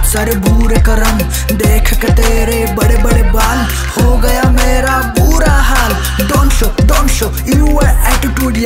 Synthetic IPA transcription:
sɐɾebʱuːɾekɐɾəm | d̪eːkʰket̪eːɾebɐɽebɐɽebaːl | hoːɡɐjameːɾa | buːɾaɦaːl | d̪oːnʃod̪onʃo | iuʋɐɛːʈiʈuːɖij

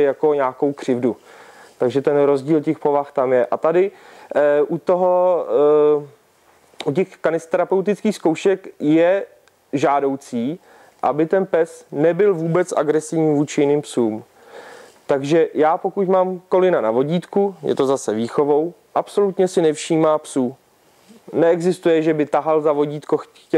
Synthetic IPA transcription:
jako̞ɲaːko̞wkr̝̥ɪvdu | t̪aɡʒɛt̪ɛnɾo̞zɟiːlcɛxpovaxt̪amjɛʔat̪adɪ | ʔut̪oɦo̞ | ucɛxkanɪst̪ɛɾapɛwt̪̬ɪt͡skiːxsko̞wʃɛkjɛ | ʒaːdo̞wt͡siː | ʔa̰bɪt̪ɛnpɛsnɛbɪlvuːbɛt͡sʔa̰ɡɾɛsɪvɲiːvuːt͡ʃɪjɪniːmpsuːm | t̪aɡʒɛjaːpo̞kucmaːmkolɪnanavo̞ɟiːt̪kujʔɛ̰t̪o̞zasɛviːxo̞vo̞w | ʔapso̞lut̪ɲɛsɪnɛfʃiːmaːpsuː | nɛɛɡzɪst̪ujɛʒɛbɪt̪aɦalzavo̞ɟiːt̪kox | cɛ

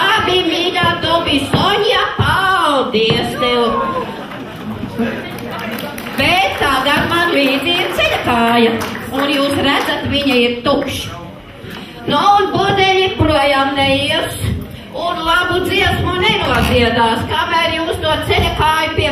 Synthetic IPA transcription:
abimiɡaːt̪ɔbisɔɲjapawd̪iɛst̪ɛw | bɛt̪t̪ad̪amanviːd̪iiɾt̪sɛlakaːjɐunjuːsɾæd̪zat̪viɲaiɾt̪ukʃ | nuːnbuɔd̪ɛliɾpɾuɔjaːmnɛjiɛs | unlˠabud̪ziɛsmunɛnuɔziɛd̪aːskamæɾjuːst̪uɔt̪sɛlakaːjupiɛ

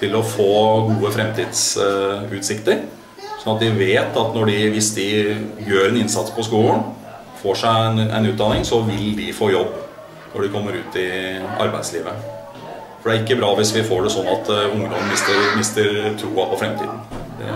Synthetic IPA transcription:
t̪ʰɪlɔfoːɡuːəfɾɛmt̪ʰiːd̪sʉːt̪sɪkt̪əɾ | sɔnɑt̪̚d̪ɪʋeːt̪ɑt̪nɔɖɪʋɪsd̪ɪjøːɾɛnɪnsɑt̪spʰɔskuːln | foːʂæɪnɛ̰ɪnʉːt̪̚d̪ɑnɪŋsɔʋɪld̪ɪfoːjɔbː | nɔ̰ɖɪkʰɔmːəɾʉːt̪ʰɪɑ̰ɾbæɪd̪sliːʋə | fɔɖɛæɾɪkːəbɾɑːʋɪsʋɪfoːɖɛsɔnːɑt̪ʊŋːəd̪ɔmən̩mɪst̪əɾmɪst̪əɾt̪ʰɾuːɑpɔfɾɛmt̪ʰḭːd̪n̩d̪ɛ̰

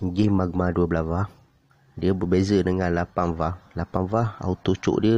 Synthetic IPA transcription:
ɡimaɡ̚maduəblavah | diəbərbezədəŋãnlapanvahlapanvaha̰ut̪ot͡ʃo̰ʔdiə

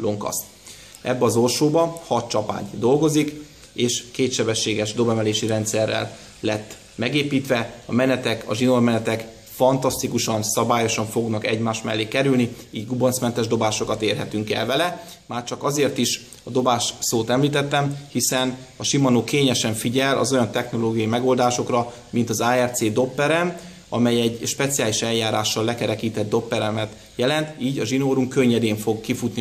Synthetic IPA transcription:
lo̞ŋkɒ̰st̪ | ɛbːɛɒzo̞lʃoːbɒhɒt̪t͡ʃɒpa̰ːɲd̪o̞lɡo̞zik | eːʃkeːt̪ʃɛbɛʃːeːɡɛʒd̪o̞bɛmɛleːʃiɾɛnt̪sɛrːɛ̰lː | ɛt̪ː | mɛɡeːpiːt̪ʋɛɒmɛnɛt̪ɛkʰɒ̰ʒinormɛnɛt̪ɛk | fɒnt̪ɒst̪ikuʃɒnsɒbaːjo̞ʃɒɱfo̞ɡnɒkɛ̰ɟmaːʃt̪mɛlːeːkɛɾylniiːɟɡubonsmɛnt̪ɛʒd̪o̞baːʃo̞kɒt̪eːrɦɛt̪yŋkɛ̰lvɛlɛ | maːrt͡ʃɒkɒzeːrt̪iʃ | ɒd̪o̞baːʃsoːt̪ɛmliːt̪ɛt̪ːɛmhisɛn | ɒʃimɒnoːkeːɲɛʃɛɱfiɟɛlɒ̰zo̞jɒnt̪ɛxno̞loːɡijɒimɛɡo̞ːld̪aːʃo̞krɒ | mint̪ɒzaːɛrt̪seːd̪o̞pːɛɾɛm | ɒmɛjɛɟʃpɛt̪sijaːliʃɛljaːɾaːʃːɒlːɛkɛɾɛkiːt̪ɛd̪̚d̪o̞pːɛɾɛmɛt̪ | jɛlɛnt̪iːɟɒʒinoːɾuŋkø̞ɲːɛd̪eːɱfo̞ɡkifut̪ni

